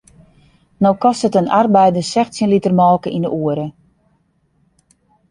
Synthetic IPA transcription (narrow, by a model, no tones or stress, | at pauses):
nowkɔstətənarbɛjdəsɛxtsinlitərmɔlˠkəʔindəʔuəɾə